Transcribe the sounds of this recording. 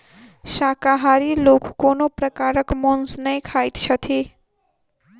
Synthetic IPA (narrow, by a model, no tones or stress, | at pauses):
ʃakaɦaɾilokkonopɾəkaɾəkmonsnəjkʰajt̪t͡ʃʰət̪ʰi